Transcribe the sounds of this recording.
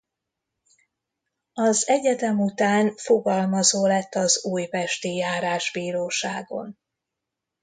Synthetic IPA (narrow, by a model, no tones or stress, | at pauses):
ɒzɛɟɛd̪ɛmut̪aːnfo̞ɡɒlmɒzoːlɛt̪ːɒzuːjvɛʃt̪ijaːɾaːʒbiːɾoːʃaːɡo̞̰n